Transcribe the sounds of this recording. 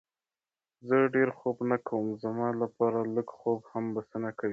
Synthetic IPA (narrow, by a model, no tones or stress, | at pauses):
zəɖeɾxobnakawəmzamɑlapɑɾaləɡxobhambasənakawi